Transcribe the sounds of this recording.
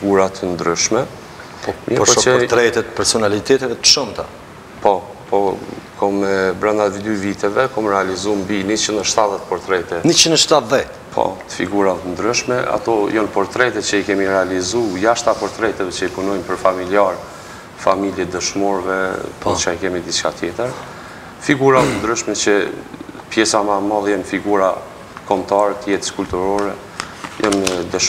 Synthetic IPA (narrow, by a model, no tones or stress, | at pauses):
fiɡuɾat̪ənd̪ɾyʃmɛ | ɔmpɔɔt̪ɾɛt̪ɛt̪pɛɾsɔnalit̪ɛt̪ɛvɛt̪ə̥ʃɔmt̪a | pɔ | pɔkʰɔmɛbɾand̪avid̪yvit̪ɛvɛkɔmɾɛalizumbinit͡ʃinəʃt̪aðɛt̪pɔɾt̪ɾɛt̪ɛnit͡ʃinəʃt̪at̪ðɛt̪pʰɔ̰t̪ə̥fḭɡuɾat̪ənd̪ɾyʃmɛa̰t̪ɔjɔnpɔɾt̪ɾɛt̪ɛt͡ʃəikɛmiɾɛalizujaʃt̪apɔɾt̪ɾɛt̪ɛvɛt͡ʃəipunɔjmpəɾfamiljaɾ | familjɛd̪əʃmɔɾvɛpɔt͡ʃaikɛmid̪it͡ʃkat̪jɛt̪əɾ | fiɡuɾat̪ənd̪ɾəʃmɛt͡ʃə | pjɛsamamalˠɛjɔnfiɡuɾa | kɔmt̪aɾɛt̪əjɛt̪ə̥skult̪uɾɔɾɛ | jɔ̰nd̪əʃ